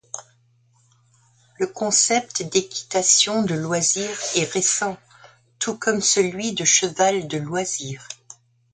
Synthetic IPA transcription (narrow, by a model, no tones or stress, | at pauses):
ləkɔ̃sɛp̚t̪d̪ekʲi̥t̪asjɔ̃d̪əlwaziʁɛʁesɑ̃ | t̪ʰukɔmsəlɥid̪əʃəvald̪əlwaziːʁ